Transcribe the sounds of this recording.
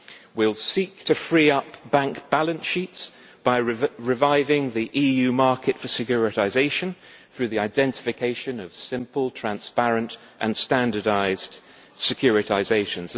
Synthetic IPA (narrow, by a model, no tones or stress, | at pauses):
wɪlˠsik̚tʰɨfɹiʌpb̥æ̃ŋkb̥ælˠə̃nʃits | b̥aɪɹɪvaɪvɪ̃ŋðiʔijʉmɑɹkɨtfəsɨkʰjʊɹɨɾaɪzeɪʃɨ̃n | θɹʉðiaɪdɛ̃ntɪ̥fɨkʰeɪʃɨ̃nʌv̥sɪ̃mpəl̩ˠtʰɹ̥æ̃nspæɹɨ̃nt | ʔɨ̃nstæ̃ndədaɪz̥d̥ | sɨkʰj̥ʊɹɨɾaɪzeɪʃɨ̃nz